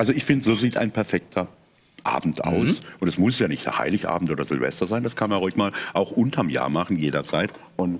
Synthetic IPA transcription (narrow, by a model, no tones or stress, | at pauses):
ʔalzoɪçfɪndəzoːziːtʔa̰ɪnpʰɛɐfɛk̚tʰɐ | ʔa̰ːbm̩tʔa̰ʊsʔʊntɛsmʊsjaːnɪçtd̥ḛha̰ɪlɪçʔa̰ːbm̩toːdɐzɪlvɛ̰stɐzaɪndaskʰanmanʁʊɪçmaːlʔaʊxʔʊntʰɐmja̰ːɐmaχn̩jeːdɐt͡saɪt | ʔʊnt